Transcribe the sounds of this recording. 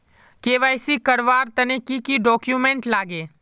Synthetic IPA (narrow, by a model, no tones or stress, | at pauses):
keːʋaːɪsiːkəɽʋaːɾt̪ɐnẽːkiːkiɖɔːkjuːmẽːɳʈlaːɡeː